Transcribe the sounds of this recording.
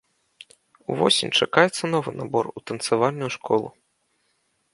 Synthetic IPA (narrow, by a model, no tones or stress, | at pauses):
uvɔ̰sʲinʲt͡ʂakajɛt̪sːɐnɔvɨnabɔrut̪ɐnt̪savalʲnʲːujuʂkɔlˠṵ